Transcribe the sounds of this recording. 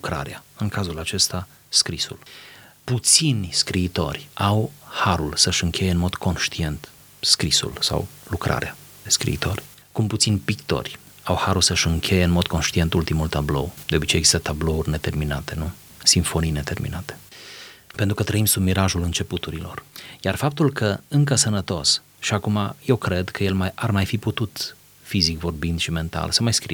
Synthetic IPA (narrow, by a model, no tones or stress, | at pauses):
lukɾa̰ɾeaɨŋkazulat͡ʃe̞st̪a | skɾisṵlput̪sinʲskɾiːt̪o̞̰rʲawhaɾulsəʃɨŋkʲʰe̞jeɨnmo̞d̪̥kʰo̞nʃt̪ie̞nt̪ | skɾisṵlsa̰wlukɾʔa̰ɾea | skɾḭit̪o̞̰rʲ | kumput̪sinʲpikt̪o̞̰rʲ | awhaɾulsəʃɨŋkʲʰe̞je̞ɨnmo̞d̪̚ko̞nʃt̪ie̞nt̪ult̪imult̪ablo̞̰wd̪̥eo̞bit͡ʃejːɡzi̥st̪ət̪ablo̞urʲne̞t̪e̞rminat̪e̞nu | siɱfo̞nijne̞t̪e̞rmḭnat̪e | pent̪ɾukət̪ɾəimsub̚miɾaʒulɨnt͡ʃe̞put̪uɾilo̞̰rjarfap̚t̪ulkʰəɨŋkəsənət̪o̞s | ʃiakumaje̞wkɾe̞d̪kəje̞lmaarmajfiput̪ut̪ | fizikvo̞rbind̪ʃime̞nt̪a̰lsəmajskɾḭ